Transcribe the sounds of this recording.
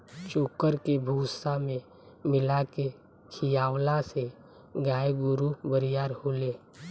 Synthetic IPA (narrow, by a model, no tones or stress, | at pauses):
t͡ʃoːkəɾkebʱuːsamẽ | mɪlake | kʰijaːwlase | ɡaːjeɡʊɾubəɾijaːɾhoːleː